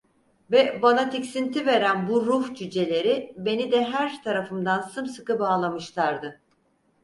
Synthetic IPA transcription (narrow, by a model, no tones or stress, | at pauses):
vɛbanat̪ʰicsint̪ʰive̞ɾænbuɾuhd͡ʒyd͡ʒe̞lʲe̞ɾibe̞nid̪ɛɦæɾt̪ʰaɾafɯmd̪ansɯmsɯkɯbaːlˠamɯʃlˠaɾd̪ɯ